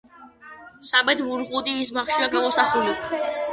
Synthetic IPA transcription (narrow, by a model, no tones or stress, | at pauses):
sabɛd̪vuɾʁud̪ivis̬maχʃiaɡamɔsaχuli